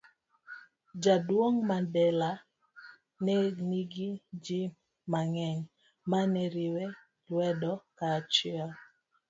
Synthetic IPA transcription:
d͡ʒadwoŋmadɛla | nɛniɡid͡ʒi | maŋɛŋ | manɛɾiwe | lwɛdɔkat͡ʃɪɔl

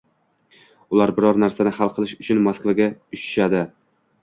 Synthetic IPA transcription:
ʊlˠaɾbɪɾɒɾnaɾsanɪhalˠqʰɨlˠɪʃʊt͡ʃʰʊnmoskvaɡʲaʊʃɪ̥ʃad̪ɪ

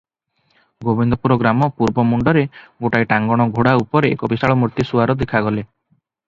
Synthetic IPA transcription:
ɡobind̪ɔpuɾoɡɾamɔpuɾbɔmuɳɖɔɾeɡoʈajʈaŋɡɔɽ̃ɔɡʱoɽaupɔɾeekɔbisaɭɔmuɾt̪isuaɾɔd̪ekʰaɡɔle

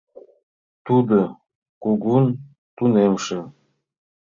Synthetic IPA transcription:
t̪ud̪ɤ̆ | kuɡun | t̪unemʃĕ

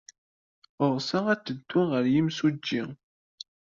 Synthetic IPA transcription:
ʊɾˤsææt͡sːəd̪ːuʁəɾjimsud͡ʒːi

